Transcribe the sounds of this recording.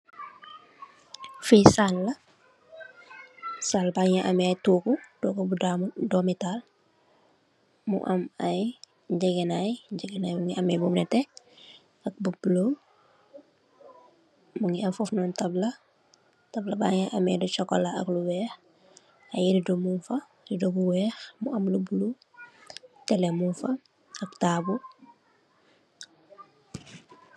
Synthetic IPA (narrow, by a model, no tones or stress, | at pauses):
fisalːɐ | salbaːɲaʔɐmɛjtuːkutɔːkubudmdɔmital | mṵʔɐmɐj | ɟɛɡɛnajd͡ʒɛɡɛnajmuŋiɐmɛbumnɛtɛ | ɐk̚bublom | muŋɡiɐmfufnɔːntɐblɐ | tɐblɐba̰ːŋɛʔɐmɛdut͡ʃɔkːɔ̰laɐkluwɛːx | ɐjididomunfɐ | didobuwɛːxmṵɐmlubulu | tɛlɛmunfɐ | ɐktaːbu